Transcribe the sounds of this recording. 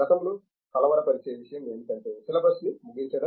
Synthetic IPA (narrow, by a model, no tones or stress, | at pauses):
ɐt̪ɐmulu | kɐlɐʋɐɾɐpɐɾit͡ʃejɐʋiʃɐjɐmɡeːnd̪it̪ɐnʈesilɐbɐsnimuɡiɲt͡ʃɐɽɐ